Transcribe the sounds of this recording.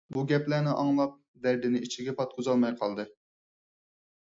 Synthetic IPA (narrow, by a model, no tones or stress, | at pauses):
buɡʲɛplænɪʔɑŋlˠɑp̚ | d̪ɛɾd̪ɪnɪit͡ʃʰiɡʲɛpʰɑt̪̚qʰʊzɑlˠmɑjqʰɑlˠd̪ɨ